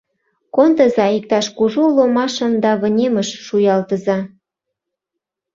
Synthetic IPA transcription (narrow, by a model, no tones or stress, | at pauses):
kont̪ə̆zɑik̚t̪ɑʃkuʒulomɑʃəmd̪ɑβə̆nʲeməʃːujɑlt̪əzɑ